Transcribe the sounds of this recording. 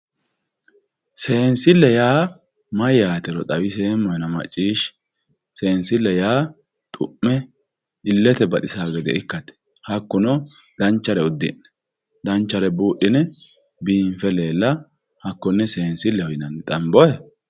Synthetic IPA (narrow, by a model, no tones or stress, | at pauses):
seːnsɪlːɛjaː | mɐjaːt̪ɛɾɔt̪ʼɐwɪs̬e̞ːmːɔjɛnɐmɐ̰t͡ʃʼːiːʃ | seːnsɪlːɛjaː | t̪ʼʊʔːɛ | ɪlːɛt̪ɛbɐt̪ɪsaːɡɛd̪ɛ̰ɪkːɐt̪ɛ̥ | hɐkːʊnɔ | d̪̥ɐnt͡ʃːɐɾɛʊd̪ːɪ̰nːɛ̥ | d̪ɐnt͡ʃːɐɾɛbuːɗɪnɛ | biːɱfɛleːlːɐ | hɐkːʊnːɛseːnsɪlːɛhɔjɪnɐnːɛt̪ʼɐmbɔɛ